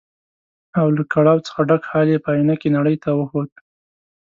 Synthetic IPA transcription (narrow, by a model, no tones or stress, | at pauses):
awlakaɽɑwt͡sə̥xaɖakhɑljepəajnakenaɽəjt̪awəxot̪̚